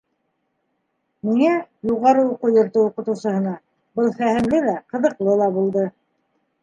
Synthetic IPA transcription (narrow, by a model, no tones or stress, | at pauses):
miŋæjuʁɑɾɤuqujɤ̆ɾtɤuqɤ̆t̪ɤ̆wsɤ̆hɤ̆nɑ | bɤlˠχæhɘ̆mlɘlæqɤ̆ðɤ̆qlˠɤlˠɑbulˠd̪ɤ